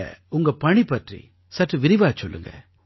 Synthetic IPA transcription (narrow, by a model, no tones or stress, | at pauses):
ʊŋɡɐpɐɳipɐʈrḭ | sɐʈrɯʋɪɾɪʋaːt͡ʃɔlːɯ̰ŋɡɐ̰